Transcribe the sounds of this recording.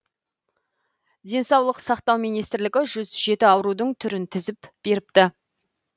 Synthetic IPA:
d̪e̞nsɑwlˠəqsɑqt̪ɑwmijnijst̪ɪɾlɪɡʲɪʒʏzʒe̞t̪ɪɑwɾud̪əɴt̪ʰʏɾɪnt̪ʰɪzɪpb̥e̞ɾɪpt̪ɪ

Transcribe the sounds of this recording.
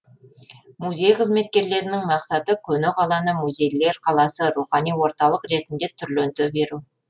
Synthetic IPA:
muzʲe̞jqʰəzme̞t̪̚kʲe̞ɾle̞ɾɪnɪŋmɑqsɑt̪əkʲʰɵnɪqʰɑlˠɑnəmuzʲe̞jle̞ɾqʰɑlˠɑsəɾuχɑnijwo̞ɾt̪ɑlˠəqɾe̞t̪ɪnd̪e̞t̪ʰʏɾlɵnt̪ɵbe̞ɾu

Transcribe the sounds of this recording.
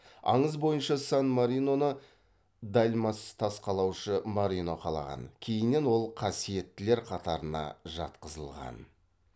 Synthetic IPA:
ɑ̰ɴəzbo̞jənʃɑsɑnmaɾino̞nə | d̪ɑlʲmɑst̪ʰɑsqɑlˠɑwʃəmaɾʲino̞qʰɑlˠɑ̰ʁɑ̰nkʲʰe̞jɪnːe̞nwo̞lˠqʰɑsije̞t̪ːɪle̞ɾqʰɑt̪ɑɾənɑ̰ʒɑ̰t̪qəzəlˠʁɑ̰n

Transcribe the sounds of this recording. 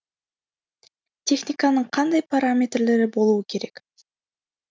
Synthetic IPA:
t̪ʲʰe̞xnʲɪkanəɴqʰɑnd̪ɑjpaɾamʲe̞t̪rle̞ɾɪbo̞lˠuːəkʰʲe̞ɾe̞k

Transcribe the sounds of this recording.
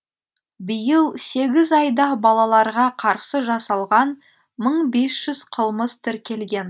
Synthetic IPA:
bəjəlˠse̞ɡʲɪzɑjd̪ɑbɑlˠɑlˠɑɾʁɑqʰɑɾsəʒɑsɑlˠʁɑn | məɴbe̞sʒ̥ʏz̥qʰəlˠməst̪ʰɪɾkʲʰe̞lɡʲe̞n

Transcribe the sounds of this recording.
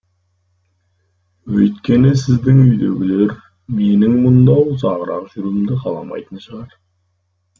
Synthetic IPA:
wɵjt̪kʲe̞nɪsɪzd̪ɪŋʏjd̪e̞̰ɡʲɪle̞ɾ | me̞nɪŋmʊnd̪ɑwzɑʁəɾɑ̰qʒ̥ʏɾuɪmd̪ɪqʰɑlˠɑ̰mɑ̰jt̪ənʃəʁɑɾ

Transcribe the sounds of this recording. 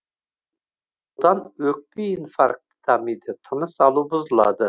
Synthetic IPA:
t̪ɑnøk̚ʲbiːnfɑ̰ɾq̪̚i̥t̪ʰamid̪ɪt̪ʰɨnɨsɑlˠubʊzlˠɑ̰d̪ɨ

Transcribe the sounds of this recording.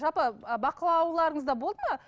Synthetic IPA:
ʒɑpəbɑqəlˠɑwlˠɑɾəɴəzd̪ɑbo̞lˠd̪əmə

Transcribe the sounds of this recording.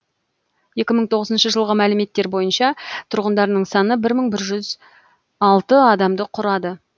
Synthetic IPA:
je̞kʲɪməɴt̪ʰo̞ʁəzənʃəʒəlˠʁəmælɪme̞t̪ːe̞ɾbo̞jənʃɑt̪ʰʊɾʁənd̪ɑɾənəɴsɑnəbɪɾməɴbɪɾʒʏz | ɑlˠt̪əɑd̪ɑmd̪əqʰʊɾɑd̪ə

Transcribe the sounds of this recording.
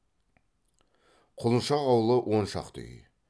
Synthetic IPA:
qʰʊlˠənʃɑʁɑwəlˠəwʔo̞nʃɑ̰qt̪ʰʏ̰j

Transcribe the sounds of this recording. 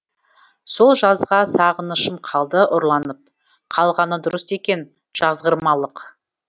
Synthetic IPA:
so̞lˠʒɑzʁɑsɑʁənəʃəmqʰɑlˠd̪əʔʊɾlˠɑnəp̚ | qʰɑlˠʁɑnəd̪ʊɾəse̞kʲe̞n | ʒ̥ɑzʁəɾmɑlˠəq

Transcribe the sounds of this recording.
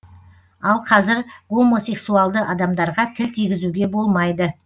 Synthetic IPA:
ɑlˠqʰɑzɪɾʁo̞mo̞se̞ksualˠd̪əʔɑd̪ɑmd̪ɑɾʁɑt̪ʰɪlt̪ʰijɡʲɪzuɡʲe̞bo̞lˠmɑjd̪ə

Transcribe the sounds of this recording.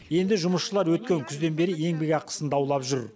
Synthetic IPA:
je̞nd̪ɪʒʊməsʃəlˠɑɾwɵt̪̚kʲe̞ŋkʲʰʏzd̪e̞nbe̞ɾɪje̞ŋbe̞kʲɑqʰə̥sənd̪ɑwlˠɑpʒʏɾ

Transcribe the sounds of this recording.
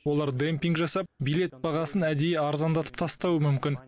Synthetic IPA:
wo̞lˠɑɾd̪empʲiŋkʒɑsɑp̚bijlˠe̞t̪̚bɑʁɑsənæd̪ejeɑɾzɑnd̪ɑt̪ʰə̥pt̪ʰɑst̪ɑwəmʏmkʲɪn

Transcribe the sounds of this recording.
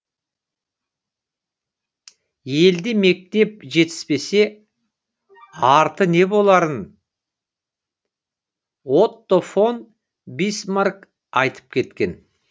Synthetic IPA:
je̞ld̪eme̞k̚t̪e̞p̚ʒe̞t̪ɪ̥zpe̞se̞ | ɑɾt̪əne̞bo̞lˠɑɾən | wo̞t̪ːofon | bijsmark | ɑjt̪ʰə̥p̚kʲʰe̞t̪kʲe̞n

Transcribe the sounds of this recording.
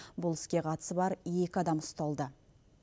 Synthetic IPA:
bʊlˠɪ̥skʲe̞qʰɑt̪ə̥səbɑɾje̞kʲɪɑd̪ɑmʊst̪ɑlˠd̪ə

